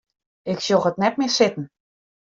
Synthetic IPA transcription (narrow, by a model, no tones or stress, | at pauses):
ɪksjoxətnɛt̚mɪːsɪtn̩